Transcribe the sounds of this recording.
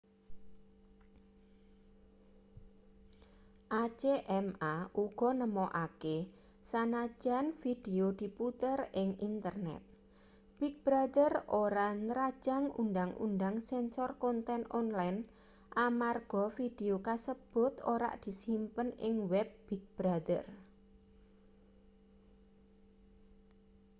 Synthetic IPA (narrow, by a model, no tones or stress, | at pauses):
ʔat͡ʃeʔɛmaʔuɡ̥ɔ̤nəmɔʔake | sanḁd͡ʒ̥a̤nfid̥eod̪̥i̤put̪ərɪŋint̪ərnɛ̰t̪̚ | b̥ik̚b̥ɾad̪ərʔoɾanəɾad̥ʒ̥a̤ŋṵnd̪aŋṵnd̪aŋsɛnsɔrkɔnt̪ɛnʔɔnlajn | ʔamarɡ̥ɔfid̪̥eokasəb̥ʊt̪oɾa̰ʔd̪̥i̤simpənɪŋwɛb̚b̥ik̚b̥ɾad̪ər